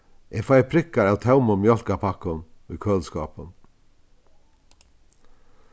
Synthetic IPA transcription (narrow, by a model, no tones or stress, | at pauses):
ʔefajpʰɾɪkːaɾaːwt̪ʰawməmjɔl̥kapʰakənʏ̰kʰøːlskɑːpən